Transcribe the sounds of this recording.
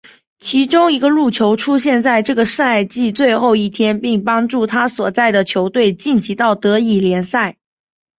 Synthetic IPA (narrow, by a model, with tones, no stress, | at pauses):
t͡ɕʰi˧˥ʈ͡ʂʊ˥ŋi˧˥ɡə˧lu˥˩t͡ɕʰjo˧˥ʊʈ͡ʂʰu˥ɕjɛ˥˧nt͡sa˥˧ɪʈ͡ʂɤ˥˩ɡə˩ʂ̩˥˧a˥˧˩ɪt͡ɕi˥˧t͡swe˥˧ɪxo˥˧ʊi˥˩t̪ʰjɛ˥npi˥˩ŋpɑ˥ŋʈ͡ʂu˥˩t̪ʰa˥swɔ˨˩t͡sa˥˩ɪd̪ə˩t͡ɕʰjo˧˥ʊt̪we˥˧ɪt͡ɕi˥˩nt͡ɕi˧˥t̪ɑ˥˩ʊt̪ɤ˧˥i˨˩ljɛ˧˥nsa˥˩ɪ